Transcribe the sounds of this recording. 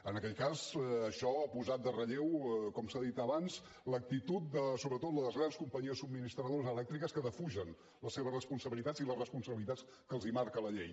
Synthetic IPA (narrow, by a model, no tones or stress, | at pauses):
ənəkɛʎkazəʃɔapuzat̪̚d̪ərəʎewkɔmsaðit̪əβanz | lək̚t̪it̪ut̪̚d̪əsoβɾət̪ot̪ləðəzɣɾanskumpəɲiəsub̚minist̪ɾəðozəlɛk̚t̪ɾikəskəðəfuʒən | ləseβərəspunsəβilit̪ad͡ziləsrəspunsəβilit̪at͡ss | kəlˠzimaɾkələʎej